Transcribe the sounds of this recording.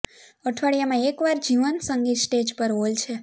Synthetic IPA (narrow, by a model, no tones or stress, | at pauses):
əʈʰʋaɭijamãekʋaɾd͡ʒiʋənsəŋɡisʈed͡ʒpəɾɦolt͡ʃʰe